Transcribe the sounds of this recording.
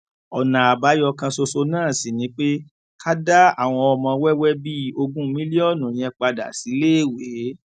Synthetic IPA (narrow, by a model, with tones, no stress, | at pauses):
ɔ˨nã˨a˨ba˨˦jɔ˧kã˧so˧so˧nãː˦˨sĩ˨nĩ˨˦k͡pe˦ | kʰa˦da˦a˦˨w̃ɔ̃˧ɔ˧mɔ̃˧˦wɛ˦wɛ˦bi˦o˧ɡũ˦mĩ˦li˦ɔ˦˨nũ˨j̃ɛ̃˧k͡pa˧da̰˨si˨˦leː˦˨we˨˦